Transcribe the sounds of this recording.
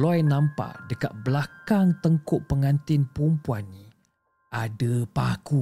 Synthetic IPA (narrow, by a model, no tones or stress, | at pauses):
lɔjnãmpa̰dəka̰t̪̚blakaŋt̪əŋkʊʔpəŋant̪ɪnpumpuanːi | ʔadəpaku